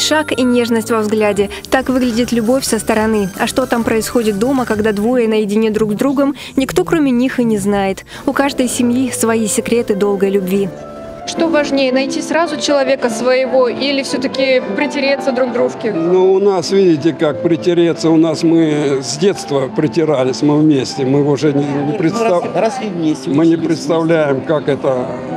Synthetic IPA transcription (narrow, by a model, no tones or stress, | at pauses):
ʂakinʲe̞ʐnəsʲtʲvɐvzɡlʲædʲɪ | t̪akvɨɡlʲɪdʲɪt̪lʲʊbo̞fʲsəst̪əɾɐnɨɐʂt̪o̞t̪ampɾəɪsxo̞dʲɪt̪̚d̪o̞məkɐɡd̪ad̪vojənəjɪdʲɪnʲed̪ɾuɡzd̪ɾuɡəm | nʲɪkt̪o̞kɾomʲɪnʲixɨnʲɪznajɪt̪ | ʊkaʐd̪əjsʲɪmjisvɐisʲɪkɾʲe̞t̪ɨd̪o̞lˠɡəjlʲʉbvʲi | ʂt̪o̞vɐʐnʲejɪnɐjtʲisɾazʊt͡ɕɪlˠɐvʲe̞kəsvəjɪvoʔilʲɪfsʲɵt̪əkʲɪpɾʲɪtʲɪɾʲet̪sːəd̪ɾuɡd̪ɾuʂkʲɪnoʊnasvʲidʲɪtʲɪkak̚pɾʲɪtʲɪɾʲet̪sːəʊnasmɨzʲdʲe̞t̪st̪vəpɾʲɪtʲɪɾalʲɪsʲmɨvmʲesʲtʲɪmɨʊʐɛnʲɪnʲɪpɾʲɪt̪ssʲmʲemɨnʲɪpɾʲɪt̪st̪ɐvlʲæjɪmkakɛt̪ə